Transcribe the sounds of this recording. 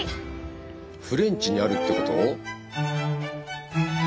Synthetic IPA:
ɸɯ̟ɾẽ̞ɲt͡ɕiɲ̟iaɾɯ̟t̪ːe̞ko̞t̪oː

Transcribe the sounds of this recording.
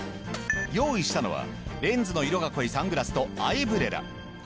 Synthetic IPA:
jo̞ːiɕi̥t̪ano̞̰βa̰ | ɾẽ̞nd͡zɨno̞iɾo̞ɡako̞isãŋɡɯ̟ɾasɨ̥t̪o̞aibɯ̟ɾe̞ɾa̰

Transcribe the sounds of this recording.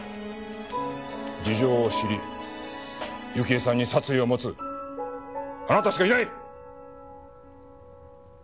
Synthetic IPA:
d͡ʑiʑo̞ːɕiɾʲi | jɯkʲiesãɲ̟ːisat͡sɨio̞mo̞t͡sɨ | anat̪aɕi̥kainai

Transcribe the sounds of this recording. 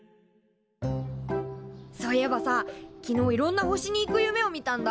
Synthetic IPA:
so̞ːijebasakʲino̞ːiɾõ̞nːaɦoɕiɲ̟iːkɯ̟jɯ̟me̞o̞mʲit̪ãnd̪a

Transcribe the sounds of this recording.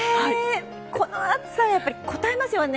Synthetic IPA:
e | kʰonoaksãɰ̃japːaɾʲiko̞t̪aemasɨjon

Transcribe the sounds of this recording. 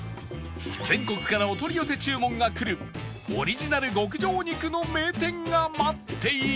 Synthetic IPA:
d͡zẽ̞ŋko̞kɯ̟̥kaɾao̞t̪o̞ɾʲijose̞t͡ɕɨːmõ̞ŋɡakɯ̟ɾɯ̟ | o̰ɾʲiʑinaɾɯ̟ɡo̞k̬ɯ̟d͡ʑo̞ːɲ̟ikɯ̟no̞me̞ːt̪ẽ̞ŋɡamat̪ʰːe̞i

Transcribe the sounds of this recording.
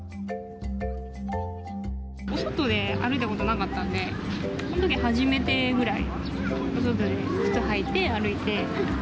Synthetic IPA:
osot̪ːo̞d̪e̞a̰ɾɯ̟it̪ako̞t̪o̞nakat̪ːãnd̪e̞sonot̪okʲihaʑime̞t̪e̞ɡɯ̟ɾaḭos̬ot̪ːo̞d̪esɨ̥t̪ɨhait̪ːe̞aɾɯ̟it̪e̞

